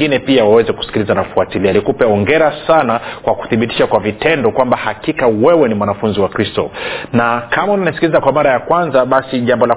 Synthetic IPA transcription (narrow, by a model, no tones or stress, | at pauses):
ɡinɛpiawawɛzɛku̥si̥kilizanafuatilialikupɛɔŋɡɛɾasanakwaku̥θiɓiti̥ʃakwavitɛndɔkwambahakikawɛwɛnimwanafunziwakɾistɔ̰nakʰamaunanisi̥kilizakwamaɾajakwanzaɓasiʄambɔla